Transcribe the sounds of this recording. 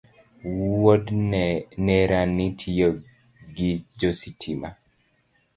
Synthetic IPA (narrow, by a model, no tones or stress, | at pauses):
wodnɛnɛɾanːitʰijo | ɡid͡ʒositʰima